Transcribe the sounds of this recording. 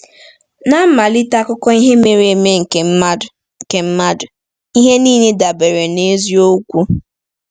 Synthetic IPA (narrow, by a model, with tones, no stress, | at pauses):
na˦ma˨li˦ta˦kʊ˦kɔ˦i˦ɦe˦me˨ɾe˨me˦ŋ̩˨ke˨˦˨ | ŋ̩˨ke˨m̩˦ma˦dʊ˨ | i˦ɦe˦niː˦ne˦da˨be˨ɾe˨ne˦zi˦o˦kʷu˦